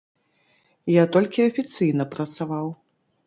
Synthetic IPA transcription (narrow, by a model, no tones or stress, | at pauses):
jat̪ɔlʲkʲiɐfʲit̪sɨjnɐpɾɐt̪savaw